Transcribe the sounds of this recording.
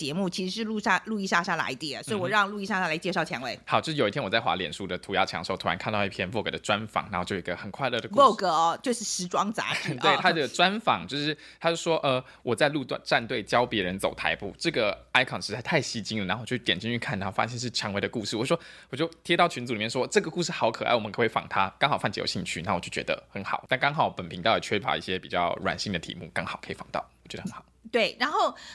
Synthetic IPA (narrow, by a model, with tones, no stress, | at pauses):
t͡ɕjɛ˧˥mu˥˩t͡ɕʰi˧˥ʂɻ̩˧˥ʂɻ̩˥˧lu˥˧ʂa˥˧lu˥˧i˥˧ʂa˥˧ʂa˥˩la̰˧˥ɪt̪jɛ˨˩swɔ˧˥i˧wɔ˨˩ɻɑ˥˧ŋlu˥˧i˥˧ʂa˥˧a˥˩la˧˥ɪt͡ɕjɛ˥˧ʂɑ˥˩ʊt͡ɕʰjɛ˧˥ŋwe˧˩ɪxɑ˨˦t͡ɕo˥˧ʂɻ̩˥˩o˨˩i˥t̪ʰjwɔ˨˩t͡sa˥˩xwa̰˧˥ljɛ˨˩nʂu˥˩d̪ə˩t̪ʰu˧˥ja˧˥t͡ɕʰjɑ̰˧˥ŋʂo˥˩ʊt̪ʰu˥a˧˥nkʰa˥˧nt̪ɑ˥˧i˥pʰjɛ˥nfɔ˥˩kɤ̰˨˧˩d̪ə˩ʈ͡ʂwa˦nfɑ̰˨˦ŋna˧˥o˥˩t͡ɕo˥˩o˨i˥ɡə˧xə˨˩nkʰwa˥˧ɪlɤ˥˩d̪ə˩ku˥ɔ˥˧kɤ˧˩˧t͡ɕjo˥˧ʊʂɻ̩˥˩ʂɻ̩˧˥ʈ͡ʂwɑ˥ŋt͡sa̰˧˥˦wt̪ʰa˥ə˥˩ʈ͡ʂwa˦˥nfɑ̰˨˩˦ŋt͡ɕjo˥˧ʊʂɻ̩˥˩ | t̪ʰa˥t͡ɕjo˥˧˩ʂwɔ˥ʔə˧˩ | wʔɔ˨˩t͡sa˥˧ɪlu˥˧t̪wa̰˥˧nʈ͡ʂa˥˧nt̪we˥˩ɪt͡ɕjɑ˥ʊpjɛ˧˥ɻə˧˦nt͡so˨˩ʊt̪ʰa̰˧˥ɪpu˥˩ʈ͡ʂɤ˥˩ɡə˩a˥ɪkʰɑ˥˩nʂɻ̩˧˥a˥˩ɪt̪ʰa˥˩ɪɕi˥t͡ɕi˥ŋ˨˩na˧˥o˥˩˨o˥˩˥t̪jɛ˨˩nt͡ɕi˥˧ŋy˥˧kʰa˥˩na˧˥xo˥˩fa̰˥jɛ˥˧nʂɻ̩˥˩ʈ͡ʂʰjɑ˧˥ŋwe˧ɪd̪ə˧ku˥˧ʂɻ̩˥˩wɔ˨˩˥ʂwɔ˥wɔ˨˩t͡ɕjo˥˩ʊt̪ʰjɛ˥t̪ɑ˥˩ʊt͡ɕʰy˧˥nt͡su˨i˨˩mjʂwɔ˥ʈ͡ʂɤ˥˩ɡə˩ku˥˧ʂ̬ɻ̩˥˩xɑ˧˥ʊkʰɤ˨˩a̰˥˩wɔ˨mə˦kʰwe˥˩ɪfɑ̰˨˩ŋt̪ʰa˥kɑ˥ŋxɑ˨˩fɑ˥˩ŋt͡ɕḭ˧˥jo̰˨˩ɕḭ˥˧ŋt͡ɕʰy̰˥˩na˥˩wɔ˨˩t͡ɕo˥˩t͡ɕɥɛ̰˧d̪ə̰˧xə˧˦nxɑ̰˨˩˦ʊt̪a˥˩nkɑ˥ŋxɑ˨˩˦ʊpə˨˩npʰi˧˥ŋt̪ɑ˥˩ʊə˨˩t͡ɕʰɥɛ˥pʰɑ̰˨˩˦ḭ˥˩ɕjɛ˥pi˨˩t͡ɕjɑ̰˥˩ʊɻwa̰˨˩nɕi˥˩ŋd̪ə˩t̪ʰḭ˧˦˥mṵ˥˩kɑ˥ŋxɑ˨˩ʊkʰḭ˨˩fɑ˨˩ŋt̪ɑ̰˥˩ʊwɔ˨˩t͡ɕjd̪ə˧xə˧˦xʰɑ˨˩ʊt̪we˥˩ɪɻa˧˦nxo˥˩ʊ